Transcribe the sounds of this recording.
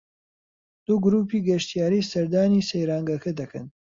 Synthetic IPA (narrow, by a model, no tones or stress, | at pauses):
d̪̥uɡɾuːpiːɡɐʃt̪ijaːɾiːsɐɾd̪aːniːsejɾaːŋɡɐkʰɐd̪ɐkʰɐ̰n